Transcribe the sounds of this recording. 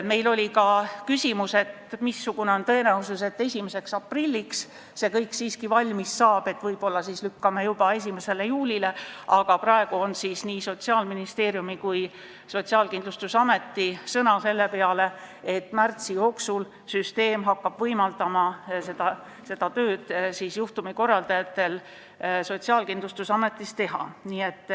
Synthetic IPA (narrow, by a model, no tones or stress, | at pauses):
me̞jlo̞lʲikɑkysʲimuse̞t̪ | misːuɡ̥une̞o̞nt̪ɤ̞e̞næuses̬e̞t̪ːe̞sʲime̞se̞ksɑprilʲːiks | se̞kɤjksiːskivɑlʲmisːɑːb̥e̞t̪ːvɤjb̥o̞lːɑsiːslykːɑmejub̥ɑe̞s̬ʲime̞se̞le̞juːlʲile̞ʔɑɡ̥ɑprɑe̞ɡ̥uo̞nsisniːso̞t̪siɑːlminist̪e̞ːɾjumikuj | so̞t̪siɑːlkind̪lust̪usɑme̞t̪ːisɤnɑse̞lːe̞pe̞ɑle̞ | e̞t̪ːˑmært̪sijo̞ːksul | syst̪e̞ːmɦɑkːɑb̥vɤjmɑld̪ɑmɑse̞d̪̥ɑ | se̞d̪̥ɑt̪øːd̪̥siːsjuht̪umiko̞rːɑld̪ɑjɑt̪ːˑe̞l | so̞t̪siɑːlkind̪lust̪usɑme̞t̪ːˑist̪e̞ɦɑ̰niːe̞t̪ːˑ